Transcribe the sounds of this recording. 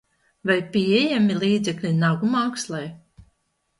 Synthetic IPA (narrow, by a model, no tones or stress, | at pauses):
vajpiɛjamʲilˠiːd̪zɛklʲinaɡumaːkslˠɛj